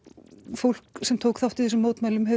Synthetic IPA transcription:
fowl̥ksɛmt̪ʰoːwkθawht̪ɪθɛsʏmːoːwt̪majlʏmɦɛ

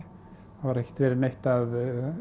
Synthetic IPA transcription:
vaɾɛhcɪ̥t̪vɛːɾɪɾnejht̪að

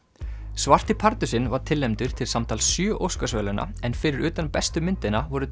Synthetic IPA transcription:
svar̥t̪ipʰaɾt̪ʏsɪnvaɾ̥t̪ʰɪlːɛmt̪ʏɾ̥t̪ʰɪlsamt̪ʰaːlsjœːʔowskasvɛlʏnʔa̰ | ɛnfɪɾɪɾʏːt̪anpɛst̪ʏmɪnt̪ɪnavɔɾʏ

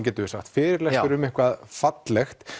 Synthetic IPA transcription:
cɛːt̪ʏɪsaxt̪fɪːɾɪɾlɛhkʏɾʏmɛhkvaðfat̪lɛxt̪

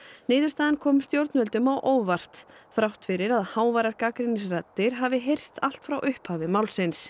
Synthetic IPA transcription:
nɪːðʏ̥st̪aːðɪnkʰɔmst̪jowɾt̪nmœlt̪ʏmawʔoːwvar̥t̪θɾawht̪fɪɾɪɾaðhaːwvaɾaɾkaːkɾɪnɪsrat̪ːɪɾ̥ɦaːvɪɦejr̥st̪al̥t̪fɾawʔʏhphaːvɪmawlsɪns

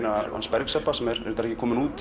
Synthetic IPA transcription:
naa̰spɛɾksɛpːasɛmɛɾɛ̰ɾt̪aɾɛhcːɪkʰɔːmɪnuːt̪

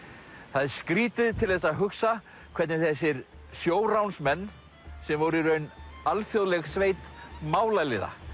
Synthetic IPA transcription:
θaðskɾiːt̪ɪðt̪ʰɪlθɛsːaðɦʏksa | kʰvɛɾt̪nɪθɛs̬ːɪɾ | sjoːwɾawnsmɛnː | sɛmvɔɾiɾʏœɥnalfjoðlɛɣsveːjt̪maːwlalɪða̰

